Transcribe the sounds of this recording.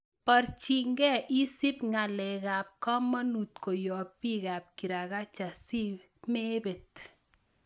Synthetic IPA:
pa˨ɾt͡ʃi˨ŋɡɛ˦ʔi˦si˦pŋa˨lɛ˨ka˨p̚kɔ˦mɔ˦nu˨t̪ko˨jɔ˨pːi˦ka˨p̚ki˨ɾa˨ka˦t͡ʃa˨si˦p | me˦be˨t

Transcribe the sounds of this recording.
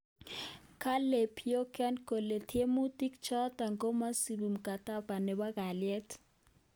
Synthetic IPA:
kʰa˦le˨pʰjɔ˦kʰʼa˦nkɔ˨lɛ˨tʰe˦mu˦tʼi˦kt͡ʃɔ˦ta˨ŋkɔ˦ma˦si˨ɓu˨m̩˨kʼa˨tʼa˦pa˨nɛ˨ɓa˦ka˨liɛ˦tʰ

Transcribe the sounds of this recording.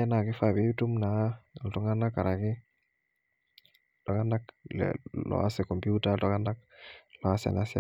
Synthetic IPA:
ɛ˦na˨kɪ˦fabi˦tu˦mna˨˦˨ltu˦ŋɡa˦na˦kːa˨ɾa˨kɪ˦ | tɔ˨ka˦na˦klɛ̰lɔ̰˨a̰˦sɛkɔ˨mpjuta˦tɔ˦ka˦na˦k̚lɔ˨a˦sa̰˨na˦sa̰˨

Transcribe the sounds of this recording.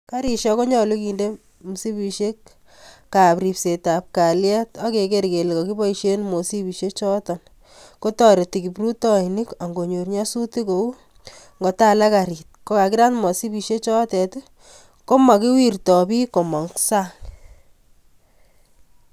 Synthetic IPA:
ka˦ɾi˨ʃɔ˦ko˦ɲɔ˨lu˦ki˨nde˦ | mu˨si˦pi˨ʃe˦k | kːa˨pɾi˨pse˨ta˨p̚ka˨lja˦tɔ˦ke˨ke˦ɾke˨lkɔ˨ki˦bɔ˦iʃe˦nmo˨si˦pi˨ʃe˦t͡ʃɔ˦tɔ˨n | ko˦tɔ˦ɾe˨ti˨ki˨pɾu˦tɔ˦i˨ni˦ka˨ŋɡo˨ɲo˨ɾɲa˦su˦ti˦ko˨u˦ | ŋɡo˨ta˦la˦ka˨ɾi˨t̚ko˦ka˨ki˦ɾa˦nmɔ˨si˦pi˨ʃe˦t͡ʃɔ˦tɛ˨t | ko˦ma˨ki˦wi˦˨rtɔ˨pi˦ko˨mɔ˨ŋksa˦ŋ

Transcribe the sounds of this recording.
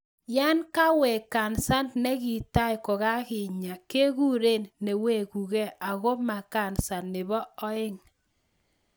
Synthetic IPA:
ja˦nka˦wɛ˨ka˨nsa˦nnɛ˦ɣi˨ta˦ɪ˨ko˨ɣa˦ɣɪ˨ɲa˨ke˦ɣu˦ɾe˦˨nːe˨we˦˨ku˨ɣɛ˦a˨ɣo˦ma˨ka˨nsa˨nːɪ˨βɔ˦ɔ˦ɪ˦ŋ

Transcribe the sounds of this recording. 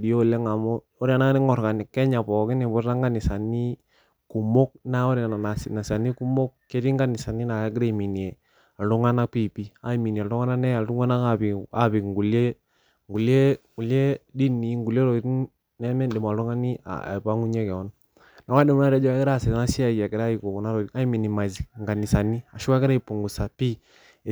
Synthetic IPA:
di˨jo˦˨le˦ŋa˨mɔ˦ | ɔ˦ɾa˨na˦ŋa˦nɪ˦ŋɔ˨ɾka˨ni˨kɛ˦ɲa˨pɔ˨kɪ˦ni˨bɔ˦ɾa˦ŋɡa˦nɪ˨sa˨ni˦ | ku˨mo˦k̚na˦ɔ˦ɾa˨na˨na˨sna˨sa˨ni˦ku˦mo˦kkːe˦ti˦ŋɡa˦ni˨sa˨ni˦na˨˦ɡɾe˦˨mi˨ni˨e˨ | a˨ɔ˦ŋa˦na˦pi˦pi˦a˦˨mi˨ni˨e˨lɾɔ˦ŋa˦na˦nɛ˦ja˨lu˦ŋa˦na˦a˦˨bi˨a˦bi˨kŋɡu˨le˦ | ŋɡu˨le˦ŋɡu˨lje˦di˦nːi˨˦ŋɡu˨le˦ɾɔ˨˦ | nɛ˦mɛ˦dɛ˨m˨a˨˦ɔ˦ŋa˦ni˦a̰˨pa˦ŋu˦ɲɛ˦kɛ˨ɔ˦n | na˨wa˦dɛ˨mɔ˦na˦ɾa˦d͡ʒɔ˦a˦ɛ˦ɾa˦˨sɛ˨a˦si˦a˨i˨a˨kɛ˨ɾa˦i˨kɔ˨ku˨na˦ɾɔ˨i˨a˦i˦mi˨ni˨ma˨zŋɡa˨ni˨sa˨ni˦a˨ʃu˦ka˦kɛ˦ɾa˦i˨pu˨ŋɡu˨sa˨pi˦˨

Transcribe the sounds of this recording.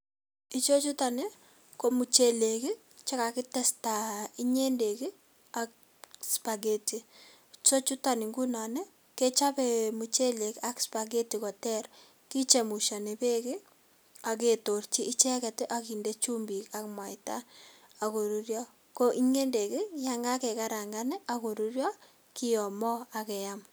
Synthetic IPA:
i˦t͡ʃo˦t͡ʃu˦ta˨ne˦ | ko˦mu˨t͡ʃe˦˨le˨ki˦ | t͡ʃa˦ka˨kɪ˦tɛ˦sta˨i˦ɲe˦nde˨ki˦ | a˦k | spa˨ɡe˦ti˨ | t͡ʃo˦t͡ʃu˦ta˨ni˨ŋɡu˦nɔ˨nɛ˦ | ke˦t͡ʃa˦pɛmu˨t͡ʃe˦le˨ka˦kspa˨ɡe˦ti˨kɔ˨tɛ˦ɾ | ki˦t͡ʃe˨mu˨ʃa˨ne˨pe˦ki˦ | a˨k̬e˨to˨ɾt͡ʃi˦ʔi˦t͡ʃɛ˦kɛ˨tɪ˦ʔa˦ki˨nde˦t͡ʃu˦mbi˨ka˦kmwa˨jta˦ | a˨ko˨ɾuɾjɔ˦ | ko˦ʔi˦ɲe˦nde˨ki˦ja˦ŋɡa˦ke˨ka˦ɾa˨ŋɡa˦ne˦ʔako˨ɾu˦ɾjɔ˦ | ki˦jɔ˨mɔ˦a˨kɛ˨jam

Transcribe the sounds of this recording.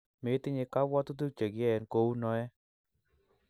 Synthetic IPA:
me˨˦ti˦ɲi˧ka˦bɔ˦tu˦t̬u˦t͡ʃe˨kjɛ˦ɛ˨nko˧˦u˦nɔ˦ɛ˦

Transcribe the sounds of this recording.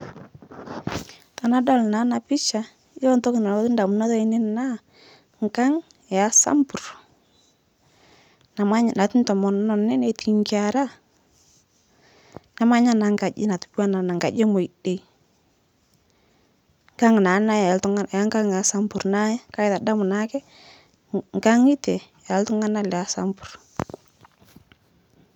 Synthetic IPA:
ta˨na˦dɔ˦˨lna˨˦na˨pɪ˦t͡ʃa˨ | jo˦nto˦kna˨˦tnda˨mu˦na˦tɔ˦i˦nɪ˦nna˦ | ŋka˦ŋ˨ | ja˦sa̰˦mbu˨r | na˨ma˦ɲ˨na˨ti˦ntɔ˨mɔ˨nɔ˨nːɪ˦ne˨˦ti˨ŋki˦a˨ɾa˦ | na˦ma˦ɲa˦na˨ŋɡa˨d͡ʒɪ̰˦na˨tu˨˦bu˦a˦na˨na˨ŋɡa˨d͡ʒe˦mo˨i˨de˨j | ŋɡa˦ŋ˨na˨˦na˦jtŋa˦˨a˦ŋɡa˦ŋ˨a˨˦sa˦mbu˨ɾna˦jɛ˦ka˦jða˨da˦mʊ˨na˦kɛ˦ | ŋɡa˦ŋi˦te˨ja˨ltʊ˦ŋa˦na˦˨lɛ˨a˨˦sa̰˦mbu̥˨ɾ

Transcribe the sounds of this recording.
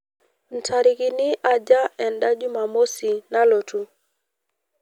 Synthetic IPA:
n̩˨tʰa˨ɾɪ˨kɪ˨nɪ˦ʔa˨d͡ʒa˦ɛ˨nda˦d͡ʒu˦ma˨mo˦si˨na˦lo˨tu˨

